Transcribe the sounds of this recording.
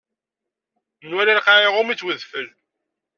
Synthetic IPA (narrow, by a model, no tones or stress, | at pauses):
nwæliɾqaɾeʁʊmit͡sːwəðfəl